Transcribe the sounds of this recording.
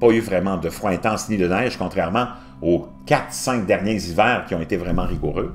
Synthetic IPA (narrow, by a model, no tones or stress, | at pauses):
payvʁɛmɑ̃d̪əfχwaɛ̃t̪ɑ̃snid̪ənɛʒ̥kɔ̃t̪χɛʁmɑ̃ | o | kʲat̪χsɛ̃k̚d̪ɛʁnjɛzivɛːʁkʲiɔ̃et̪evʁɛmɑ̃ʁiɡuʁø